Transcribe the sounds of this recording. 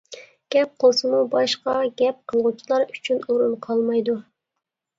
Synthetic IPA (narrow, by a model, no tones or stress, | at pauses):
ɡ̥ʲɛp̚qʰəlˠsɨmubɑʃqɑɡʲɛp̚qʰəlˠʁut͡ʃʰilˠɑɾy̥t͡ʃʰynuɾunqʰɑlˠmɑjd̪u